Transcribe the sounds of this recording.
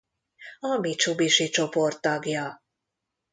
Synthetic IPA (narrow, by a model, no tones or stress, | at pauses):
ɒmit͡ʃubiʃit͡ʃo̞po̞rt̪ːɒɡjɒ